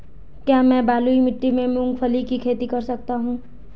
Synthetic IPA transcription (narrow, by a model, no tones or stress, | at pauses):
kjaːmɛ̃ːbaːluimɪʈːimẽmʊ̃ŋɡfʰɐlikikʰeːt̪ikɐɾsɐk̚t̪aɦũː